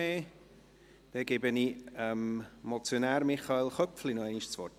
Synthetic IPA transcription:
eː | d̥ɛɡ̥ebəniɛmmɔt͡sjonæːɾmɪχɑelχœpflinɔɛɪniʃt͡sʋɔrt

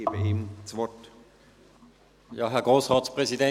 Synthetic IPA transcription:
eːbəemt͡sʋɔt | jɑːɦɛɐɡ̥ʁoːsʁɑːtspʁɛsidɛ

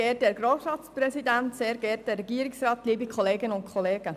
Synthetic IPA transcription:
ɛːt̚dɛːɾɡɾoːsɾɑːt̪sprɛsid̪ænt̪seːɾɡɛːt̚dɛrːɛɡiːəɾiksrɑːt̪liːbikχɔleːɡənʊntkʰχɔleːɡə

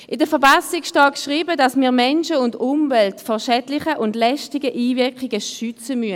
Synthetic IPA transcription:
ʔɪdəfɛɐbasɪkʃtɑːkʃʁiːbədɑsmiːɐmɛnʃəʊndʊmvɛltfɔʃɛdlɪχəʔʊndlɛʃtɪɡəʔiːvɪɐkɪɡəʃʏt͡səmyə

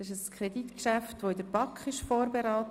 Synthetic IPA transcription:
ɪʃəskʰɾeditkʃæftʋoɪdəɾb̥ɑkχɪʃfoːɾbeɾaːt

